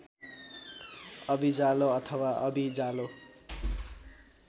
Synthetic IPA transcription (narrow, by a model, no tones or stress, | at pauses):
ʌbid͡zaloʌt̪ʰʌwaʌbid͡zalo